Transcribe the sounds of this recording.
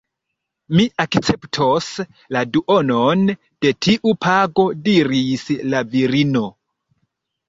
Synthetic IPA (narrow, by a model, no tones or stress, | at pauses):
miʔakt͡se̞ptʰos | laduʔo̞non | d̥e̞tʰiʔupʰaɡo̞diɾislaviɾino̞